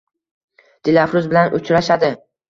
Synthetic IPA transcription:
d̪̥ɪlafɾʊzbɪlanʔʊt͡ʃɾaʃad̪ɪ

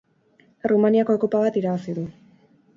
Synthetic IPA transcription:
rumaniako̞ekopaβ̞at̪iɾaβasiðu

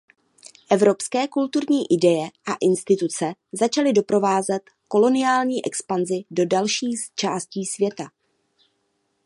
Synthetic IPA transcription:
ʔɛvɾo̞pskɛːkult̪uɾɲiːʔɪdɛjɛʔaʔɪnst̪ɪt̪ut͡sɛzat͡ʃalɪdo̞pɾo̞vaːzɛt̪ | ko̞lo̞nɪjaːlɲiːʔɛkspanzɪdo̞dalʃiːst͡ʃaːsciːsvjɛt̪a

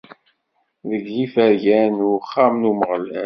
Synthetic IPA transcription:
ðəɡlifæɾʝænʊχːamnuməʁəlæ

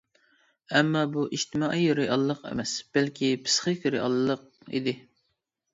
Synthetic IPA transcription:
ɛmːɑbuʔiʃt̪ʰɪmɑʔijoɾɨjʔɑlˠːəqɛ̰mɛsb̥ɛlkʲʰipʰɨ̥sχɨkʲʰøɾɨʔɑ̰lˠːəq̚ḭd̪ɪ

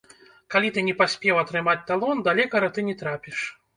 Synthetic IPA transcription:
kalʲit̪ɨnʲɛpasʲpʲɛwɐt̪ɾɨmat͡sʲt̪alˠɔnd̪alʲɛkɐɾɐt̪ɨnʲɛt̪ɾapʲiʂ

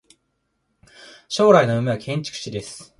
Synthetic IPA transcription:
ɕo̞ːɾaino̞ɯ̟meβakʰẽ̞ɲ̟t͡ɕi̥kɯ̟̥ɕid̪e̞sɨ̥

